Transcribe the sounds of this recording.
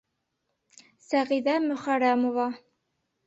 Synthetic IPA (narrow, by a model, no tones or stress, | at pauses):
sæʁiðæmɵ̆χæɾæmovɑ